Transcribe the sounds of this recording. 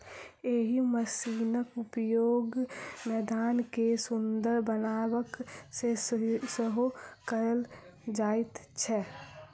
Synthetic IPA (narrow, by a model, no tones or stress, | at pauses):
eɦiməsiːnəkʊpjoːɡmɛːd̪aːnkesʊnd̪əɾbənaːwəksesəɦokəɾəl | d͡ʒaːɪt̪t͡ʃʰɛ